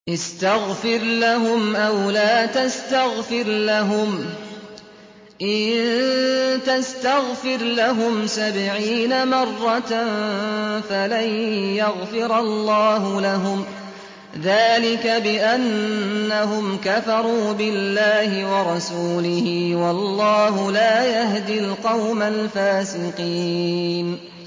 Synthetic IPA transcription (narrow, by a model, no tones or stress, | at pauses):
ʔɪst̪aɣfɪɾlaɦʊmʔawlaːt̪ast̪aɣfɪɾlaɦʊm | ʔɪðð | t̪ast̪aɣfɪɾlaɦʊmsabʕiːnamɑrˤːɑt̪ | falajjaɣfɪɾɑllˤːɑːɦʊlaɦʊm | ðaːlɪkabɪʔanːaɦʊmkafɑɾˤuːbɪlːaːhɪwɑɾˤɑsuːlɪhiːwɑlˤːɑːhʊlaːjaɦd̪ilqɑwmalfaːsɪqiːn